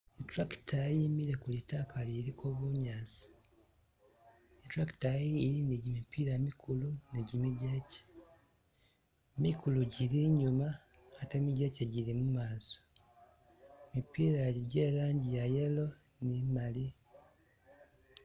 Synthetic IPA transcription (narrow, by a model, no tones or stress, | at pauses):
etɾaktajimiɾekulitakaliɾikʰoβuɲaːsi̥ | etɾaktajiːɾiniɟimipiːɾamikʰuluniɟimiɟeːce̥ | mikuluɟiɾiɲuma | ate̞miɟeceɟiɾimumaːso̥ | mipiːɾaeɾiɟeːlaːɲɟijajelo̞ | nimali